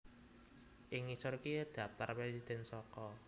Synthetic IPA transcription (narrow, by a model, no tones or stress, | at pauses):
ʔɪŋisʊrkid̪̥ä̤p̚t̪arpesid̪̥ɛ̤nsɔkɔ